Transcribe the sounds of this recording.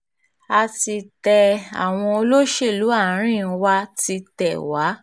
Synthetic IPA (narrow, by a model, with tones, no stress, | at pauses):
a˧ti˧tɛ˧a̰˨w̃ɔ̃˧o˧lo˦ʃe˦˨lu˨˦a˦˨˦ɾ̃ĩ˦˨˧wa˦ti˧tɛ˨wa˨˦